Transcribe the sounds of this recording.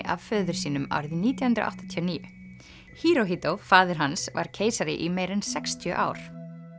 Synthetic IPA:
ʔa̰v̥fœːðʏɾ̥siːnʏma̰wɾðiniːt̪jahʏnt̪ɾa̰ʔa̰ht̪ḁt̪ʰijɔniːjʏ | hiːɾowɦiːt̪owfaːðɪɾ̥ɦansva̰ɾ̥cʰeːjsaɾɪ̰ʔimejɾɛnsɛkst̪ʰjœ̰ʔa̰ːwɾ̥

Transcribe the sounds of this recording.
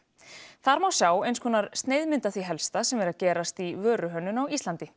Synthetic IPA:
θaɾmawsjaːwejnskʰɔːnːaɾst̪neːjðmɪnt̪aθviɦɛlst̪asɛmɛɾaðcɛːɾast̪ivœːɾʏɦœnːʏnawist̪lant̪ɪ

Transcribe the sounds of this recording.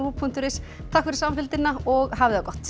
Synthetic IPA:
uːpʰun̥t̪ʏɾɪs | t̪ʰakfɪɾɪ̥samfɪlt̪ɪnːaɔɣɦavɪðakɔht̪

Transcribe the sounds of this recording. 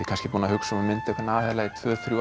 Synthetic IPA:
ɪkʰanscɪpuːnahʏksɔmʏmɪnt̪ɛhkɾnaːhɛːlait̪ʰvœːɾθɾju

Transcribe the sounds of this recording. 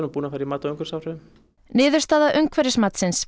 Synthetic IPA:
ɾnʏmpuːnafajɾimaːt̪awʏŋkʏɾ̥saːwɾʏðɪm | nɪːðʏɾst̪aːðaʔʏŋkʰvɛɾɪsmat̪sɪns

